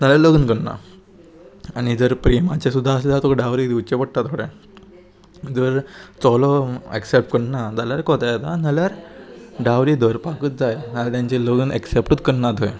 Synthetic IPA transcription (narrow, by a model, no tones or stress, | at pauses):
naljaɾləɡənkəɳna̰ | anid͡zəɾpɾimat͡ɕesud̪ʱːaəsed͡z̪at̪okɖawɾid̪iwt͡ɕepəɽʈat̪ʰoɽẽ | d͡zəɾt͡sɔlɔeksep̚ʈ̚kəɽnad͡zaljaɾkɔt̪ajt̪analjaɾɖaʋɾid̪əɾpakəːt̪̚d͡zajnalat̪jãɲt͡ɕeləɡunɛ̰ksepʈət̪kəɳnat̪əj